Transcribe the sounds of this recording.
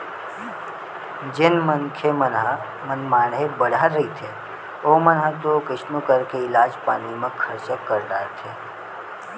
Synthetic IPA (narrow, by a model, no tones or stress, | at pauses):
d͡ʒɪnmənkʰemən | mənmaːnɦebəɽ̤aɾːəɦit̪ʰe | oːmənɦãt̪okɪʃnukəɾkeɪlaːd͡ʒpaːnimẽkʰəɾt͡ʃəkːəɾd̪aːet̪ʰeː